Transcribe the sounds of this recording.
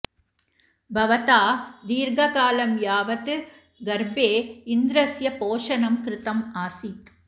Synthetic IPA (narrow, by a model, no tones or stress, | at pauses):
bʱɐʋɐt̪aːd̪iːɾɡɐkaːlɐmjaːʋɐt̪ɯ | ɡɐɾbeːɪnd̪ɪɾɐsjɐpoːʂɐnɐmkɾɪt̪ɐmaːsiːt̪